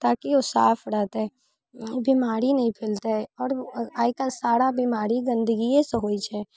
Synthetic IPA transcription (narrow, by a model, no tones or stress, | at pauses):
t̪aːkiosaːpʰɽaɦt̪ɦɛ | bimaːɾinɐɦĩpʰɪlt̪aɦɛɔːɾaːikasaːɾabimaːɾiɡɐ̃nd̪əɡiẽseɦoːit͡ʃʰɛː